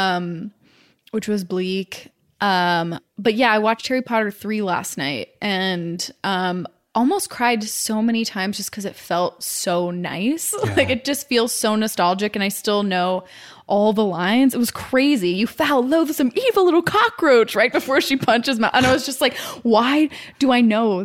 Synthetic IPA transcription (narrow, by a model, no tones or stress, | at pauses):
ʌ̃m | wɨt͡ʃwʌzblik | ʔʌ̃mb̥ʌt̚jæaɪwɑt͡ʃtʰɛɹipʰɑɾə˞θɹilæ̰stⁿna̰ɪt̚ʔɨ̃nʔʌ̃m | ʔɔlˠmoʊskʰɹ̥aɪdsoʊmɛñitʰãɪ̃mzd͡ʒʌskʰʌzɨtfɛlˠt̚soʊna̰ɪslaɪkɨt̚d̥ʒ̥ʌstfilˠz̥soʊnɨstælˠd͡ʒɨkɨ̃naɪstɪlˠnoʊ | ʔɔlˠðəlãɪ̃nzɨt̚wʌz̥kʰɹ̥eɪzijɨfɛlˠloʊðɨsʌ̃mivl̩ˠlɪɾl̩ˠkʰɑkɹoʊt͡ʃɹaɪt̚b̥ɨfɔɹʃipʰʌ̃nt͡ʃɨzmaɪʔə̃naɪwʌzd͡ʒʌstˡlaɪkwaɪd̥ɨaɪnoʊ